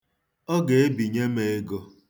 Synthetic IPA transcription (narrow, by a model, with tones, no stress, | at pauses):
ɔ˦ɡe˨e˦bi˨ɲe˦me˨e˦ɡo˦